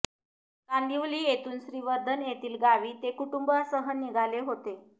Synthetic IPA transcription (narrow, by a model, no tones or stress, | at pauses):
kand̪iʋliːjet̪uːnsɾiʋəɾd̪ʱənjet̪iːlɡaʋiːt̪ekuʈumbəsəɦəniɡʱaleɦot̪e